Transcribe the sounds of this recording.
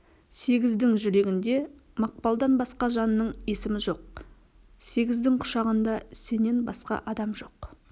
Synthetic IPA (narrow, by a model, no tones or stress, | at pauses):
se̞ɡʲɪzd̪ɪŋʒʏɾe̞ɡʲɪnd̪e̞ | mɑq̚pɑlˠd̪ɑnbɑsqɑʒɑnəːəɴe̞sɪmɪʒo̞q̚ | se̞ɡʲɪzd̪ɪŋqʰʊ̥ʃɑʁənd̪ɑse̞ne̞nbɑsqɑ̰ʔɑd̪ɑmʒo̞q